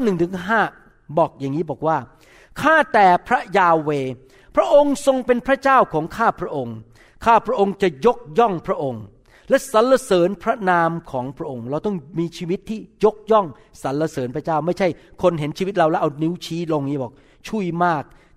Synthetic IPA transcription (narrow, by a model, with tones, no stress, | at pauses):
a˥nɯ˨˩ŋt̪ʰɯ˩˦ŋɦaː˥˩ | bɔː˨˩k̚jaː˨˩ŋːiː˦˥bɔː˨˩k̚waː˥˩ | kʰaː˥˩t̪ɛː˨˩pʰɾa˦˥jaː˧weː˧ | pʰɾa˦˥ʔo˧ŋso˧ŋpe˧npʰɾa˦˥t͡ɕaː˥˩wkʰɔː˩˦ŋkʰaː˥˩pʰɾa˦˥ʔo˧ŋ | kʰaː˥˩pʰɾa˦˥ʔo˧ŋt͡ɕa˨˩jo˦˥k̚jɔ˥˩ŋpʰɾa˦˥ʔo˧ŋ | lɛ˦˥sa˨˦nla˧sɤː˩˦npʰɾa˦˥naː˧mkʰɔː˩˦ŋpʰɾa˦˥ʔo˧ŋɾa˧wt̪ɔ˥˩ŋmiː˧t͡ɕʰiː˧wi˦˥t̪ʰːiː˥˩jo˦˥k̚jɔ˥˩ŋ | sa˩˦nla˧sɤː˩˦npʰɾa˦˥t͡ɕaː˥˩wma˥˩jt͡ɕʰa˥˩jkʰo˧nɦe˩˦nt͡ɕʰiː˧i˦t̪̚ɾa˧wlɛ˦˥ʔa˧wni˦˥wt͡ɕʰiː˦˥lo˧ŋiː˦˥bɔː˨˩k̚ | t͡ɕʰu˥˩jmaː˥˩k̚